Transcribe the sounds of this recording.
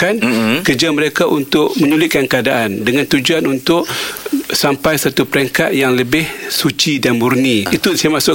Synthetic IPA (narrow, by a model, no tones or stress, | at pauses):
ankərd͡ʒaməɾekaʔunt̪ʊʔ̚mə̃ɲulɪʔ̪̚kankəadaʔandəŋãnt̪ud͡ʒuanunt̪ʊʔ | sampajsat̪upəɾɛŋkat̪̚jaŋləbɪhsut͡ʃidanburniit̪usaamasʊʔ